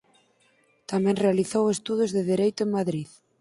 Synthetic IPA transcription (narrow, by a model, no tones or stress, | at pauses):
t̪amɛ̃ŋrealiθowest̪uð̞ʊzðɪðiɾejt̪ʊeŋmaðɾið